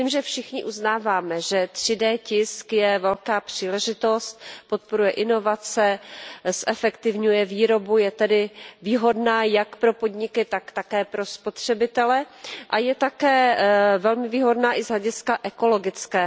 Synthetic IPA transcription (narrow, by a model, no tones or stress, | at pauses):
imʒɛfʃɪxɲɪʔuznaːvaːmɛʒɛt̪r̝̥ɪdɛːcɪskjɛvɛlkaːpr̝̥iːlɛʒɪt̪o̞st̪̚po̞t̪̚po̞ɾujɛʔɪno̞vat͡sɛsʔɛfɛkt̪ɪvɲujɛviːɾo̞bujɛt̪ɛdɪviːɦo̞dnaːjakpɾo̞po̞dɲɪkɪt̪akt̪akɛːpɾo̞spo̞t̪r̝̥ɛbɪt̪ɛlɛʔajɛt̪akɛːvɛlmɪviːɦo̞dnaːʔɪzɦlɛɟɪskaʔɛko̞lo̞ɡɪt͡skɛː